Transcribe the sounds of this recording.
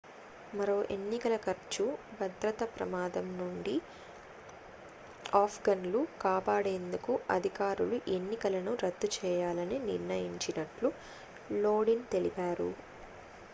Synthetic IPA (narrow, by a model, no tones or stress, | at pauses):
mɐɾo̞ːʔe̞nːikɐlɐkɐɾt͡ʃubʱɐd̪ɾɐt̪ɐpɾɐ̰maːd̪ɐmnuɳɖi | aːpʰɡɐnlukaːpaːɽe̞ːnd̪ukuʔɐd̪ʱikaːɾuluʔe̞nːikɐlɐnuɾɐd̪ːut͡ʃɛːjaːlɐniniɾnɐjiɲt͡ʃinɐʈlu | loːɽint̪e̞lipaːɾṵ